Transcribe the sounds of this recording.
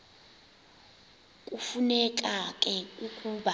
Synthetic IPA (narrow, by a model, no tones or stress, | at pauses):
kʼufunɛk̬ʼakʼɛukʼuːɓa